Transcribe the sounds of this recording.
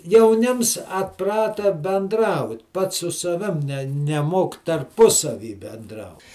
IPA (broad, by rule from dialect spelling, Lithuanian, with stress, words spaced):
jɛʊˈnʲɪms ɐtˈprɑːtɐ bʲɛnˈdrɐʊt ˈpɐts sʊ sɐˈʋʲɪm nʲɛ nʲɛˈmoːk tɐrˈpʊsɐʋʲiː bʲɛnˈdrɐʊ